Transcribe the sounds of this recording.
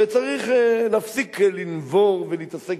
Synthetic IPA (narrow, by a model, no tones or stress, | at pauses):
et͡saʁiχlafsiklinvɔʁvɪliːt̪asɛk